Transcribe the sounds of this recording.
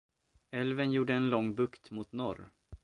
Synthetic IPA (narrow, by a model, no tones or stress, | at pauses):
ɛlvənjuːɖəɛnlɔŋːbɵkt̪mʊt̪nɔɾ